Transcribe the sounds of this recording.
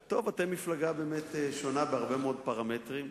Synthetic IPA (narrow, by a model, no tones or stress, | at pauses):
t̪o̞vatemiflaɡabeːmeteʃonabeaʁbemeo̞d̪̚paʁametʁim